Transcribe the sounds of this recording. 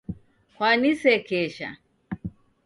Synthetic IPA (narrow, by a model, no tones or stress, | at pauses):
kwanisɛkɛʃa̰